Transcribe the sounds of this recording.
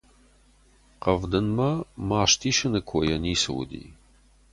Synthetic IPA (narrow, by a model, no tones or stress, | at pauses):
qɐvd̪ɨnmɐmaːʃtʰiːʃɨnɨkʷʰɔjɐniːsɨ̰w̰d̪ḭː